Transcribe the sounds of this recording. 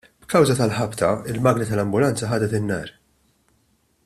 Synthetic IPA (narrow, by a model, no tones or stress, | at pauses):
b̥kɐwzɐt̪ɐlħɐpt̪ɐɪlmɐːɡnit̪ɐlɐmbʊlɐnt͡sɐħɐːd̪ɛt̪ɪnːɐ̰ːɾ